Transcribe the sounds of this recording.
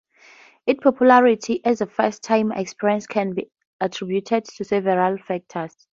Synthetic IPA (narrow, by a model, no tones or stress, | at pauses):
itpʰɔpʰjulaɹitʰiʔɛzðəfɛstʰːãɪ̃mɛ̰kspiɹĩnskʰɛ̃nbi | atʰɹ̥ibjutʰɛdtʰusɛvɛɹalfɛk̚tʰəs